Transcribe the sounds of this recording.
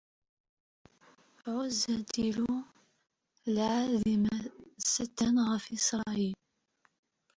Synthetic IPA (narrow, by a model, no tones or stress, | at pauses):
ʕʊzæd̪ilu | lʕaðimæsæt̪ːænʁəfisɾˤɑɑil